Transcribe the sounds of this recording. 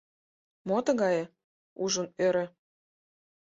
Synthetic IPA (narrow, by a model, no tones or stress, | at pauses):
mot̪ə̆ɣɑjĕ | uʒə̆nøɾɘ̆